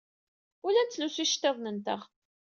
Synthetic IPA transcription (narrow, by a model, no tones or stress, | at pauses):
ʊlænt͡s̪ːlusiʃt̪ːeðˤnənt̪əʁ